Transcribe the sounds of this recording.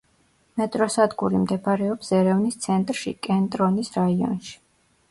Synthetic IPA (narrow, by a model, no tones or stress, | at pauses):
mɛt̪ʼɾɔsad̪ɡuɾimd̪ɛpʰaɾɛɔpsɛɾɛvnist̪sʰɛnt̪ʼɾʃḭkʼɛnt̪ʼɾɔnisɾaiɔ̰nʃi̥